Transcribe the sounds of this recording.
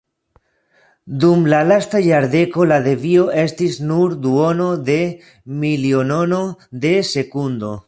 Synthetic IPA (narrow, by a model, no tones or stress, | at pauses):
dumlalastajaɾde̞ko̞lade̞vio̞ʔe̞stisnuɾd̪uo̞no̞de̞ | milio̞no̞no̞d̪e̞se̞kundo̞